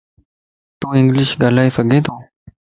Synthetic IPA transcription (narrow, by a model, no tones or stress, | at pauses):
t̪ũːɪ̃ŋɡlɪʃɡaːlaːesəɡeːt̪ʰoː